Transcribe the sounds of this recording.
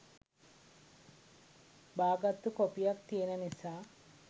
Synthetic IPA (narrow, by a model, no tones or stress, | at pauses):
baːɡat̪ːukopijak̚t̪ienənisaː